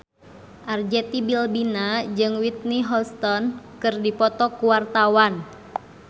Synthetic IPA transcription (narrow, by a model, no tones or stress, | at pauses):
ʔard͡ʒɛt̪ibilbinad͡ʒɨŋwit̪̚niɦɔst̪ɔnkɨrdipɔt̪ɔkuwart̪awan